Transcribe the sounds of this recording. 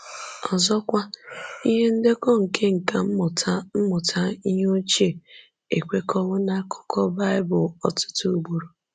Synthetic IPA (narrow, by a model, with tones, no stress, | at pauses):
ɔ˨zɔ˦kʷa˦i˦ɦe˦n̩˦de˦kɔ˦ŋ̩˨ke˦ŋ̩˨ka˨m̩˦m˨ta˦m̩˦mʊ˨tʰa˦i˦ɦo˦t͡ʃi˦e˨ | e˨kʷe˦kʰɔ˦wʊ˦na˦kʰʊ̥˦kʰɔ˦ba˦ɪ˦bʊ˨ɔ˨tʊ̥˦tu˦u˦ɡ͡bo˨ɾo˨